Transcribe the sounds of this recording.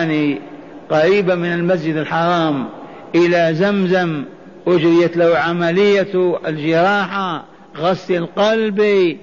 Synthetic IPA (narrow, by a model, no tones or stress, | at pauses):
ni | qaɾiːbamɪnalmas̬d͡ʒɪd̪ɪlħɑɾˤɑːm | ʔɪlazamzam | ʔʊd͡ʒɾɪjat̪lahʕamalɪjːat̪ɪld͡ʒɪɾˤɑːħa | ɣɑsˤlilqɑlbi